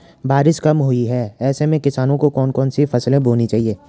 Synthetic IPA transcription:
baːɾɪʃkɐmɦʊiɦɛːɛːsemẽkɪsaːnõkokɔːnkɔːnsifɐslẽbʱoːnit͡ʃaːɦieː

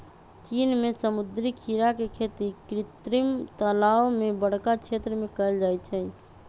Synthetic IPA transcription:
t͡ʃinmesəmud̪ɾikʰiɾakekʰet̪ikɾɪt̪ɾimt̪əlaomebəɽ̤kakt͡ʃʰet̪ɾəmẽkəld͡ʒajtt͡ʃʰɛ

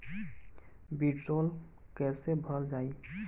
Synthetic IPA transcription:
biɖsol | kɛsebʱəld͡ʒaːi

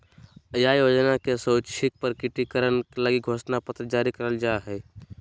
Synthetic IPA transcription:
əjajoːd͡ʒnakesəʊt͡ʃʰik̚pəɾkɪʈikəɾənkləɡiɡʱoːsnapət̪ɾəd͡ʒaːɾikəɾəld͡ʒaeɦɛː

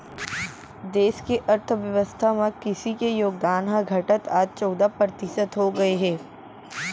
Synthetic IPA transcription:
d̪eːʃkeʔɐɾt̪ʰʋjɐʋəst̪ʰamẽkɪsikejoːɡ̚d̪aːnɦaɡʱɐʈət̪aːd͡ʒ̪̚t͡ʃɔːd̪apɾət̪ɪʃət̪ɦoɡɐeɦɛː

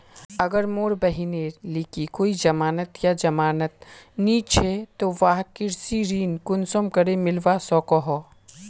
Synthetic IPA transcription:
ɐɡəɾmoːɾbɐɦineːɾliːkikoːid͡ʒɐmaːnət̪jad͡ʒɐmaːnət̪̚niːt͡ʃʰet̪oʋaːɦkɪɾsiɾiːnkʊnsomkɐɾemɪlʋasɔːkɔɦɔː

